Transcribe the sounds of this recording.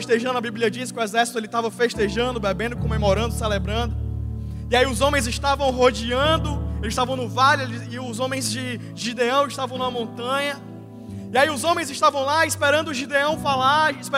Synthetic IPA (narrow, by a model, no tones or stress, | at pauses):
ʃt̪eʒɐ̃nd̪ʊɐbiblʲiɐd͡ʒisɪ̥kʲɪʊɛzɛɾsi̥t̪ʊelɪt̪avɐfeʃt̪eʒɐ̃nd̪ʊbebẽnd̪ʊɪkõmemɔɾɐ̃nd̪ʊsɛlebɾɐ̃nd̪ʊ | ɪaiʊzõmẽj̃zɪʃt̪avɐ̃w̃ɦod͡ʒiɐ̃d̪ʊelɪʃt̪avɐ̃w̃nʊvalielɪʊzõmẽj̃zd͡ʒɪ | ʒid̪eɐ̃w̃ɪʃt̪avɐ̃w̃nũɐmõnt̪ɐ̃ɲɐ | iaiʊzõmẽj̃zɪʃt̪avɐ̃w̃laispeɾɐ̃nd̪ʊʒid̪eɐ̃w̃falaispe